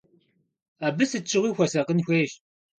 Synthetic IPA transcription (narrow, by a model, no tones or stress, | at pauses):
aːbɨsɨt͡ʃʼːɨʁʷiːxʷɐsɐqənxʷeːʃ